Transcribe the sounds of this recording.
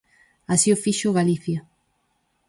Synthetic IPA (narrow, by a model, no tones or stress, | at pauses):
asiofiʃʊɣaliθja